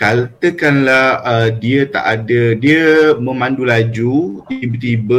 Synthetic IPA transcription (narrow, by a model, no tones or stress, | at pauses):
kat̪əkanlahədiət̪a̰ʔadədiəmə̃mãndulad͡ʒut̪ibət̪ibə